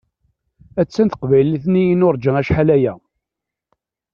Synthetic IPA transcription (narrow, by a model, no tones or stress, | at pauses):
æt͡sːænt̪ə̥qvæjliθnijinʊɾˤd͡ʒəŋæʃħalæjæ